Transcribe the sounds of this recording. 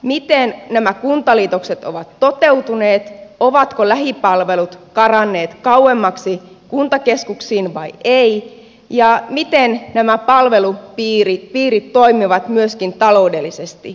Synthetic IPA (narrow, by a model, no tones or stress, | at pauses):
mit̪ennæmækunt̪ɑliːt̪okset̪oʋɑt̪ːot̪e̞ut̪uneːt̪oʋɑt̪kolæɦipɑlʋelut̪kɑrɑnːe̞ːt̪kɑuwemːɑksi | kunt̪ɑke̞skuksiːnʋɑjei | jɑmit̪ennæmæpɑlʋelupiːrit̪piːɾit̪toimiʋɑt̪myøskint̪ɑlo̞udelːisest̪i